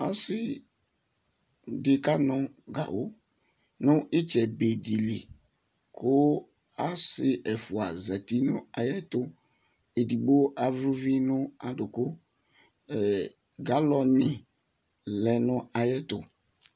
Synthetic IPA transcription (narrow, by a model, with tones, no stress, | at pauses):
a˦sɪ˦ | dɪ˦ka˦nʊ̃˦ɡa̰˨wo˦ | nʊ̃˦ʔɪ˦t͡ʃɛ˨be˨di˨li˨ | kʰʊ˦ | a˦sɪ˨ʔɛ˨fʊ˨a˨zɛ˨ti˦nʊ̃˦a˨jɛ˦tʊ˨ | e˨di˨bo˦ʔa˨vɾu˦vi˦nʊ̃˦a˨dʊ˨kʊ˦ | ɛ˨ | ɡa˨˦lɔ˨nɪ̃˨ | lɛ˨nʊ̃˦a˨jɛ˦tʊ̰˨